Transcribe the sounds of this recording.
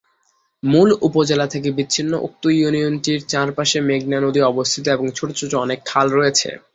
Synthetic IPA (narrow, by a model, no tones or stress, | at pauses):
mulupod͡ʑelat̪ʰek̬ebiinːoʔo̰k̚t̪ojunionʈiɾt͡ɕãɾpaʃemeɡ̚nanod̪iɔbost̪ʰit̪oeboŋt͡ɕʰoʈot͡ɕʰoʈoɔnekʰːalɾojet͡ɕʰḛ